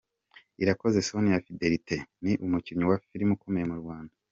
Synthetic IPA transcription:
iɾako̞ze̞sonijafide̞ɾitʰe̞niʔumuciɲɲuwafiɾimukome̞jemuɾɡwaːnda

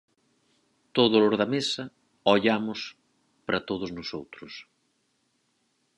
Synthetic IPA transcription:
t̪oðʊlʊɾðɐmesɐ | ɔʎamʊs | pɾɐt̪oðʊznʊsowt̪ɾʊs

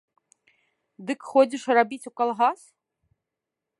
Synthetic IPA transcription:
d̪ɨkxɔd͡zʲiʂrabʲit͡sʲukalˠɣas

